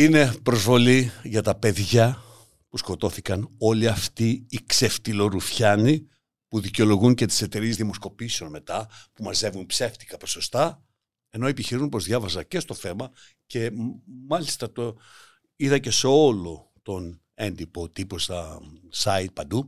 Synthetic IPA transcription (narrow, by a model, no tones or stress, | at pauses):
ine̞pɾo̞zvo̞liʝɐt̪ɐpe̞ðʝɐ | pusko̞t̪o̞θikɐno̞liɐft̪iːkse̞ft̪ilo̞ɾufçɐni | puðiceo̞lo̞ɣunce̞t̪i̥se̞t̪e̞ɾiezðimo̞sko̞pise̞o̞nme̞t̪ɐpumɐze̞vunpse̞ft̪i̥kɐpo̞so̞st̪ɐ | e̞no̞epiçiɾiunpo̞zðʝɐvɐzɐce̞st̪o̞θe̞mɐ | ce̞mɐlist̪ɐt̪o | iðɐce̞seo̞lo̞ | t̪o̞n | e̞nd̪ipo̞t̪ipo̞st̪ɐsɐit̪̚pɐnd̪u